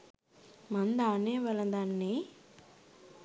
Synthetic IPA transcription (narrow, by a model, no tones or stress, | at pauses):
mɐnd̪aːnɛːʋɐlɐd̪aːnːi